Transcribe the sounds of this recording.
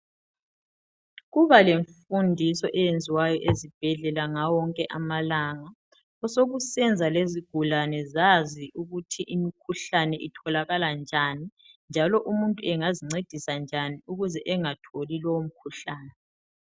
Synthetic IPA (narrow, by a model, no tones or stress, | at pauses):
ɣuβaleɱfundʱisɔʔɛjend͡zʱiwajɔʔezib̥ʱɛɮɛlaŋawɔŋkʼɛʔamalaŋa | ɔsoɣusɛnd͡zʱaleziɡ̥ʱulanɛzaziʔuɣutʰiʔimikʰuɬanɛʔitʰɔlaɣaland͡ʒʱani | nd͡ʒʱalɔʔumuntʼuɛŋaziŋ͡ǀed̥ʱisand͡ʒʱaniuɣuzɛʔɛŋatʰolilɔwom̩kʰuɬaːnɛ